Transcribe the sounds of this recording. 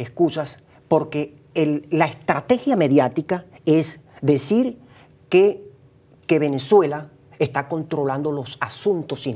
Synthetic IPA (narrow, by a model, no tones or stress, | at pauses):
eskusas | po̞ɾke̞ | elːaest̪ɾat̪e̞xjame̞ðjat̪ika | e̞zd̪e̞siɾ | ke | ke̞βe̞ne̞swe̞la | est̪ako̞nt̪ɾo̞land̪olo̞sasũnt̪o̞si